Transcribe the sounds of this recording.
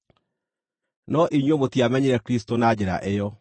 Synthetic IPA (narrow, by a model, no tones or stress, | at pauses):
nɔʔiɲwemotiamɛɲeɾɛkɾistonad͡ʑɛɾa̰ʔejɔ